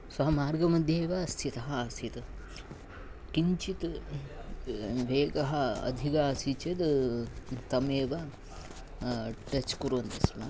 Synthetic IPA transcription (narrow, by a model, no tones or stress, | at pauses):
sɐɦɐmaːɾɡɐmɐd̪ʱjeːʋɐst̪ʰit̪ɐɦɐst̪ʰit̪ | kiɲt͡ʃit̪ | ʋeːkɐɦɐɐ̰d̪ʱikaːsit͡ʃɐd̪ | t̪ɐmeːʋɐ | ʈɐt͡ʃkuɾʋɐnt̪ismɐ